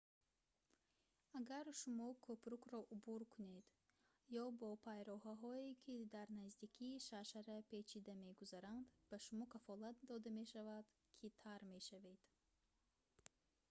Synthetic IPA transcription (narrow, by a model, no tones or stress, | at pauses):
aɡaɾʃumɔkʰopɾukɾɔʔubuɾkʰuned̪ | jɔbɔpʰajɾɔɦaɦɔikʰid̪aɾnazd̪ikʰiːʃaʃaɾapʰe̞t͡ʃʰid̪ame̞ɡuzaɾand̪b̥aʃumɔkʰafɔlat̪̚d̪ɔd̪ame̞ʃavad̪̥ | kʰit̪ʰaɾme̞ʃaved̪̥